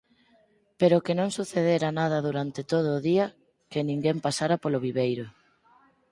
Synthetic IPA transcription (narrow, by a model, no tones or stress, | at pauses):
peɾʊkenõŋsuθeðeɾanað̞ɐðuɾant̪et̪oð̞ʊːðiɐ | kenĩŋɡempasaɾapoloβiβejɾʊ